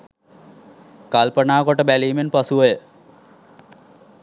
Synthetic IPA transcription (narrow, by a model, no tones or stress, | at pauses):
kalpənaːkoʈəbæliːmenpasuʋəjə